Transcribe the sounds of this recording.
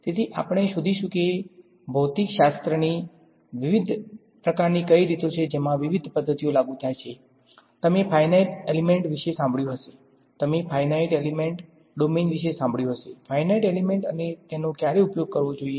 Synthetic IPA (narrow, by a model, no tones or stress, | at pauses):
t̪et̪ʰiʔa̰pəɳ̃eʃud̪ʱiʃũke | bʱəwt̪ikʃast̪ɾəni | ʋiʋid̪ʱ | pɾəkaɾnikəiɾit̪ot͡ʃʰed͡ʒemãʋiʋid̪ʱpəd̪ʱːət̪ijolaɡũt̪ʰajt͡ʃʰe | t̪əmepʰajnaiʈelimeɳʈʋiʃesãmbʱɭjũɦəʃe̥ | t̪əmefʰajnaiʈelimeɳʈ | ɖomenʋiʃesãmbʱɭjũɦəʃefʰajnaiʈelimẽɳʈənet̪enokjaɾeupjoɡ̚kəɾʋõd͡ʒoie